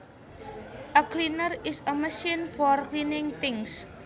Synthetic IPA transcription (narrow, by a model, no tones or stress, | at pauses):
ʔəklinərɪsəməʃinfɔrklinɪŋt̪ɪŋs